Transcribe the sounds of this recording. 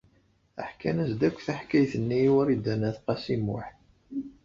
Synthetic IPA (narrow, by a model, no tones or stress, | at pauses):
ə̰ħkænæsd̪ækʷːθaħkæjθənːiwæɾid̪ænæθqɑsimːʊ̰ħ